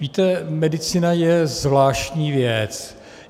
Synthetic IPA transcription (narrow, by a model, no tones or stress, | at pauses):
viːt̪ɛmɛdɪt͡sinajɛzvlaːʃtɲiːvjɛt͡s